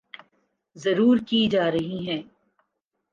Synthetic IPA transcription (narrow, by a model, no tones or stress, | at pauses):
zɐɾuːɾkid͡ʒaːɾɐɦiɦɛ̃ː